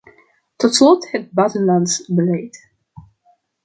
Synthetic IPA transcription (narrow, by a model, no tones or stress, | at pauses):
tɔtslɔthət̚bɑtənlɑnsbəlɛjt